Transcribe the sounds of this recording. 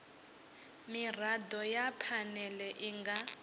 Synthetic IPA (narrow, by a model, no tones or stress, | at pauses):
mir̤adɔjapʰanɛlɛʔiŋɡa